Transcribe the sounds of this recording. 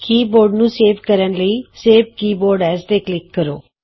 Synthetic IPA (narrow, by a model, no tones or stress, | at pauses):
kiːboːɾɖnũːseːʋkəɾənləiːseːʋkiːboːɾɖɛːsd̪eːklɪkːəɾo̰ː